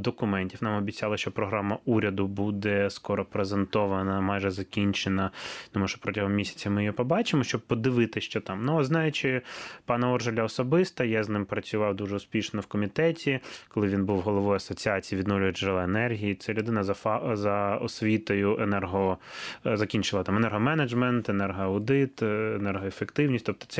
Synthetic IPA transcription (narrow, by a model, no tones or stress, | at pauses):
d̪ɔkʊmɛnʲtʲiwnɑmɔbʲit͡sʲɑlˠɐʃt͡ʃɔpɾɔɦɾɑmɐuɾʲɐd̪ʊbud̪ɛskɔɾɔpɾezent̪ɔʋɐnɐmɑjʒɛzɐkʲinʲt͡ʃenɐt̪ɔmuʃɔ̥pɾɔtʲɐɦɔmmːʲisʲɐ̥t͡sʲɐmɪjjɔpɔbɑt͡ʃɪmɔʃt͡ʃɔb̚pɔd̪ɪʋɪt̪ɪʃt͡ʃɔt̪ɑmnuɔznɑjʊt͡ʃɪpɑnɐɔrʒɐlʲɐɔsɔbɪst̪ɐjɑznɪmpɾɐt͡sʲʊʋɑwd̪uʒɛʊspʲiʃnɔwkɔmʲit̪ɛtʲikɔlˠɪʋʲinbuwɦɔlˠɔʋɔjɐsɔt͡sʲiɑt͡sʲiiːʋʲid̪nɔwlʲʊjɛʒɛlˠɛenɛrɦʲijit̪sɛlʲʊd̪ɪnɐzɐzɐɔsʲʋʲit̪ɔjʊʔenɛrɦɔ | zɐkʲinʲt͡ʃɪlˠɐt̪ɑmɛnɛrɦɔmɛnɐd͡ʒmɛnt̪enɛrɦɔɐʊd̪ɪt̪enɛrɦɔefekt̪ɪwnʲisʲtʲt̪ɔp̚t̪ɔ̥tsɛ